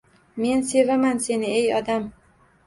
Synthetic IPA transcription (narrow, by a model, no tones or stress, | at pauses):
me̞nse̞vamanse̞nɪejɒd̪am